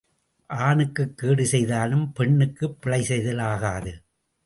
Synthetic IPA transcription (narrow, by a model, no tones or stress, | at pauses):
ʔaːnɯkːɯkːeːɽɯsɛjðaːlɯmpɛɳːɯkːɯpːɪɭɐɪsɛɪðɐlaːɣaːðɯ